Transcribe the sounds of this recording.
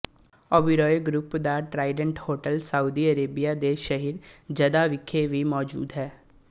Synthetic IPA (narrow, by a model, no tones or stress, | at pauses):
ɔːbiɾɔːjeɡɾʊpd̪aːʈɾaːɪɖə̃ɳʈhoːʈəlsəuːd̪iːəɾeːbijaːd̪eːʃəɦiɾd͡ʒəd̪aːʋɪkʰːeʋiːmɔːd͡ʒṵːd̪ɦɛː